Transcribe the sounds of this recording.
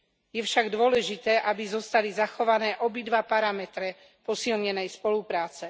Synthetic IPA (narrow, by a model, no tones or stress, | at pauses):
jɛfʃaɡd̪ʊɔlɛʒit̪ɛːʔabizɔst̪alizaxɔʋanɛːʔɔbid̪ʋapaɾamɛt̪ɾɛ | pɔsilɲɛnɛjspɔlupɾaːt͡sɛ